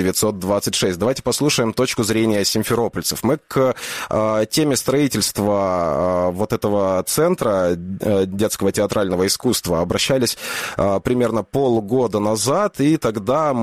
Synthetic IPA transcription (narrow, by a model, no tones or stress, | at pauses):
ɪvʲɪt̪so̞t̪̚d̪vat̪sɨtʲʂɛsʲt̚ʲd̪ɐvajtʲɪ̥pɐslˠuʂəjɪmt̪o̞t͡ɕkʊzɾʲenʲɪjəsʲɪnʲfʲɪɾo̞pəlʲsəfmɨkətʲemʲɪst̪ɾɐitʲɪlʲst̪və | vo̞t̪ɛt̪əvət̪sɛnt̪ɾə | dʲe̞t̪skəvətʲɪɐt̪ɾʔalʲnəvəɪskust̪vəɐbɾɐɕːælʲɪsʲpɾʲɪmʲe̞rnəpo̞lˠɡo̞d̪ənɐzat̪it̪ɐɡd̪am